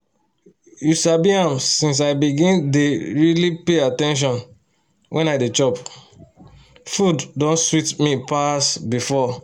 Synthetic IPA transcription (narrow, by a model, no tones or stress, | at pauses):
juʃabiãmsĩns̬aɪbiɡĩndeɹilipeatɛ̃nʃ̬ɔ̃n | wʔɛ̃naɪdet͡ʃɔp | fuddõnswitmipasbifɔ